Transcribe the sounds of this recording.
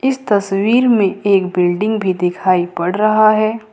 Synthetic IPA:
ɪst̪ɐswiːɾmẽeːkbɪlɖɪ̃ŋɡbʱid̪ɪkʰaːipɐɽɾɐɦaɦɛː

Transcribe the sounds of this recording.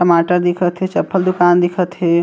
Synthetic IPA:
kɐmaːʈəɾd̪ɪkʰət̪ɦet͡ʃɐpʰːəld̪ʊkaːnd̪ɪkʰət̪ɦeː

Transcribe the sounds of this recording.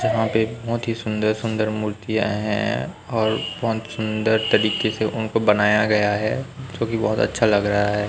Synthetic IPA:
d͡ʒɐɦãpebɔɦʊt̪ɦisʊ̃nd̪əɾsʊ̃nd̪əɾmuːɾt̪ija̰ɦɛ̰̃ | ɔːɾbɔɦt̪sʊ̃nd̪əɾt̪ɐɾiːkeseʔʊnkobɐnaːjaɡɐjaɦɛːd͡ʒõːkibɔɦʊt̪ɐ̰tːʃʰalɐɡɾɐɦaɦɛː

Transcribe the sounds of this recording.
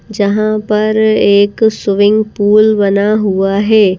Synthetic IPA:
d͡ʒɐɦãpɐɾeːksʊʋɪ̃ŋɡpuːlbɐnaɦuaɦɛː

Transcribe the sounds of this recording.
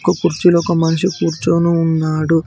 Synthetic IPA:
kɐkuɾt͡ʃilɔkɐmɐnɐʂikuːɾt͡ʃoːnuːnːaːɽu

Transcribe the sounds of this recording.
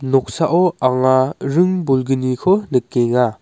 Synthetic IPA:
nɔk̚saʔɔaŋaɾɯŋbulɡɯnikʰɔnɯkːeŋa

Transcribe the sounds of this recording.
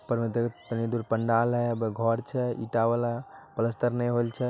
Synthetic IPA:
pəɾmet̪ekt̪ənid̪uɾpəɳɖalɦɛəbɡʱɔɾt͡ʃʰɛḭʈabalapələst̪əɾnɛjɦolt͡ʃʰɛ

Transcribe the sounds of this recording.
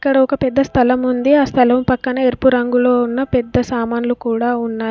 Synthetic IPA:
kːɐɽɐɔkɐpɛd̪ːɐst̪ʰɐlɐmund̪iaːst̪ʰɐlɐmpɐkːɐnɐeɾpuɾɐŋɡulo̞ːunːɐpɛd̪ːɐsaːmaːnulukuːɽaːunːaː

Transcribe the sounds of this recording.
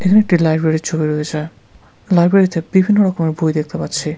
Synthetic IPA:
ekʰaneek̚ʈilajbɾeɾiɾt͡ɕʰobiɾoed͡ʑae | lajbɾeɾit̪ebibʱinːoɾɔkomeɾbʱujd̪ek̚ʰt̪epatːɕʰi

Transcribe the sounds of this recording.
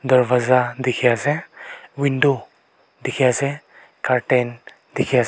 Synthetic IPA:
d̪əɾʋazad̪ikʰijasɛwiɳɖo | d̪ikʰijasɛ | kaɾʈen | d̪ikʰja

